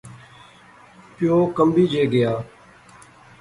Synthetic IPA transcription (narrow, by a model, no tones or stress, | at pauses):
pɪjoːkəmbiːd͡ʒeːɡɪjaː